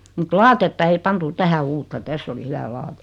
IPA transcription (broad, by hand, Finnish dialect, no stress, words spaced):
mut lɑːtetːɑ ei pɑntu tæhæ uːtːɑ tæsː oli hyʋæ lɑːte̥